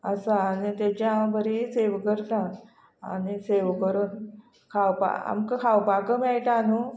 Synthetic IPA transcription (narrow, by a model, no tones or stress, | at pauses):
əsaːnit̪at͡ɕjãbʱəɾiseʋkəɾt̪ã | a̰niseʋkəɾən | kʰawpa̰a̰mkəkʰawpakəmɛɭʈ̪anu